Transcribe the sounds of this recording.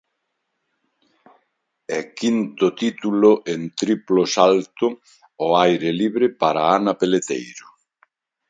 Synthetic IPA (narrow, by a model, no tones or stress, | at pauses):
ɛkint̪ʊt̪it̪ulʊʔent̪ɾiplosalt̪ʊ | ɔajɾeliβɾɪpaɾaanapelet̪ḛjɾʊ